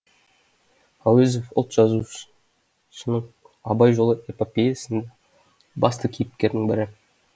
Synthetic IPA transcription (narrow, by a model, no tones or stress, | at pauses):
awezo̞fʊ̰lˠt̪ʒ̥ɑzu | ʃənəɴ | ɑbɑjʒo̞lˠəepopʲejasənd̪ɑ | bɑst̪əkʲʰejɪp̚kʲe̞ɾd̪ɪŋbɪɾɪ